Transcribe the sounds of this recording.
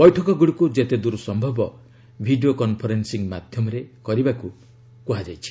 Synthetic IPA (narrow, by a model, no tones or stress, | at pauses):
bɔjʈʰɔkɔɡuɽikud͡ʒet̪ed̪uɾsɔmbʱɔbɔ | bʱiɖiokɔnpʰɔɾensiŋmad̪ʱjɔmɔɾekɔɾibaku | puɦad͡ʒajt͡ʃʰi̥